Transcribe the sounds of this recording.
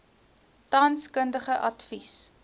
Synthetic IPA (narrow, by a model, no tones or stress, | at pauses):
tɐnskəndəχəʔɐtfis